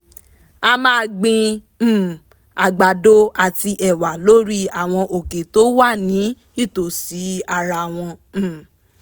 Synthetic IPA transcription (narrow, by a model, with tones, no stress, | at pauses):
a˧mãː˦˧ɡ͡bĩ˧˨ | a˨ɡ͡ba˨do˦a˨ti˧ʔɛ˨wa˨lo˦ɾi˦a˨w̃ɔ̃˧ʔo˨ke˨to˨˦wa˦˨nĩ˨˦ | i˦˨to˨si˨˦a˧˨ɾa˧˨w̃ɔ̃˧˦